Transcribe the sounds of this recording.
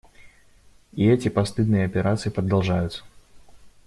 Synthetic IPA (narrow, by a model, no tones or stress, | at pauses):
iɛtʲɪpɐst̪ɨd̪nɨjəɐpʲɪɾʔat̪sɨjipɾɐd̪alˠʐajʊt̪sə̥